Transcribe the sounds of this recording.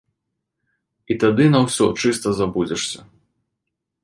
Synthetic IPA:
it̪ad̪ɨnɐwsʲɔt͡ʂɨst̪ɐzabud͡zʲɛʂsʲɐ

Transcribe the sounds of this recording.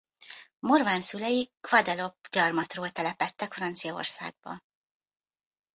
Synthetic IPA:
morvaːnsylɛjikvɒd̪ɛlopɟɒrmɒt̪roːlt̪ɛlɛpɛt̪ːɛkfrɒnt̪sijɒo̞̰rsa̰ːɡ̚bɒ̰

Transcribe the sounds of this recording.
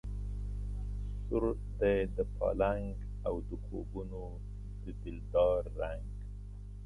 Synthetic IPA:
sʊɾ | d̪ed̪əpʰɑ̰laŋɡ | awd̪əkʰo̰buno | d̪əd̪ɪld̪ɑɾːaŋɡ

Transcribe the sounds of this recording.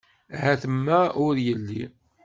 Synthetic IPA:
hæθəmːæʊɾjəlːi

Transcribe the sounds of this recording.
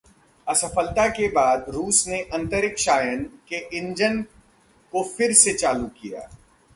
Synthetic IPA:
ɐsəfəlt̪akebaːd̪ɾuːsneʔɐ̃nt̪əɾɪkʃaːjənkeʔɪ̃ɲd͡ʒən | kofɪɾset͡ʃaːlukija̰ː

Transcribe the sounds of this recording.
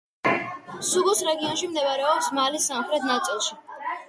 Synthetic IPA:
suɡusɾɛɡiɔnʃimd̪ɛvaɾɛɔpsmalisamχɾɛt̪ʰnat̪sʼilˠʃi

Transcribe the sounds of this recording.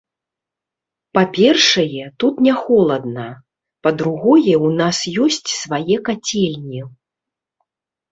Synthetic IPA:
papʲɛrʂɐjɛt̪ut̪nʲɛxɔlˠɐd̪̚nɐ | pɐd̪ɾuɣɔjɛwnasjɔsʲt͡sʲsvajɛkat͡sʲɛlʲnʲi

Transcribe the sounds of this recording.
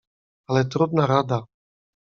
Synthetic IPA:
alɛt̪ɾod̪naɾad̪a

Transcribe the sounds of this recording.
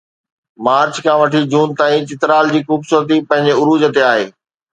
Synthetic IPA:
maːɾt͡ɕkʰãːʋɐʈʰid͡ʑuːnt̪aːĩt͡ɕɪt̪ɾaːld͡ʑiːxuːbsuːɾət̪ipɐ̃ɦɪ̃ɲd͡ʑeʊɾuːd͡ʑət̪eaːɦḛː

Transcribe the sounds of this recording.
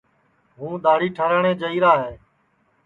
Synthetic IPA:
ɦũːd̪aːɽiːʈʰəɾəɳẽːd͡ʒəiːɾaːɦeː

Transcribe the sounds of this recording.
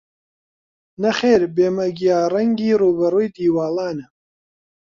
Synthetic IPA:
nɐxeːɾbeːmɐɡijaːrɐŋɡiːruːbɐruːjd̪iːwaːlˠaːnɐ

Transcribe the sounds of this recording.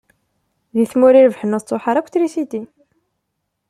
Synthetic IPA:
ðiθmʊɾiɾəvħənət͡s̪ˤːoħaɾˤækʷːθɾisid̪i

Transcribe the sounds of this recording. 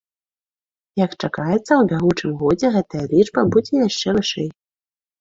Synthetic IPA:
jɐkt͡ʂakajɛt̪sːɐwbʲaɣut͡ʂɨmɣɔd͡zʲɛɣɛt̪ɐjɐlʲid͡ʐbɐbud͡zʲɛjaʂt͡ʂɛvɨʂɛj

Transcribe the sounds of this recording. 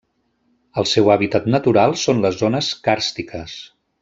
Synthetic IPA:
əlˠsɛwaβit̪at̪nət̪uɾalˠsonləzonəskaɾst̪ikʰəs

